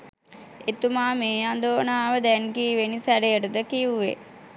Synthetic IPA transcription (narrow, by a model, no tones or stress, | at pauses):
et̪umaːmeːand̪oːnaːʋəd̪ɛŋkiːʋenisæɾejəʈəd̪əkiuʋḛ